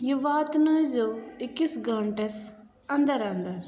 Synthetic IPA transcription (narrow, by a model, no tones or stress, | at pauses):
juʋaːt̪nɐzoɪkːisɡʱɐ̃ɳʈes | ɐ̃nd̪əɾãnd̪əɾ